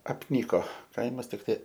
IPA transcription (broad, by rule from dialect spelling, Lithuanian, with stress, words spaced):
ɐpʲˈnʲiːkoː ˈkɐɪmɐs tʲɪkˈtɐɪ